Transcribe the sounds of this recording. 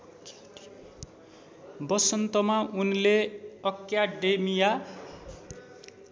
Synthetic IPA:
bʌsʌnt̪ʌmaʔunleʌkjaɖemija

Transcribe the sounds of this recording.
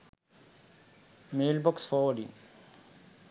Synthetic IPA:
meːlbɔksfɔʋəɖḭ

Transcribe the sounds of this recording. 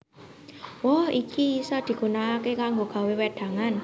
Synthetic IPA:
wɔhikisɔd̪̥i̤ɡ̥unaːkekaŋɡoɡ̥a̤wewɛd̪̥a̤ŋan

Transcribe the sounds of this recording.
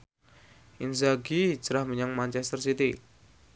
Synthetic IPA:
ʔinzaɡid͡ʒəɾahməɲaŋmant͡ʃɛst̪ərsit̪i

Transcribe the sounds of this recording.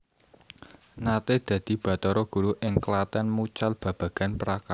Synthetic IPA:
nat̪ed̪̥ä̤d̪̥i̤b̥ä̤t̪ɔɾɔɡ̥ṳɾuʔɪŋklat̪ɛnmut͡ʃalb̥ä̤b̥a̤ɡ̥a̤npɾaka

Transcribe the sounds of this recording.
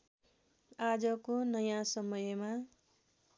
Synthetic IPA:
ad͡zʌkonʌjãsʌmʌjema

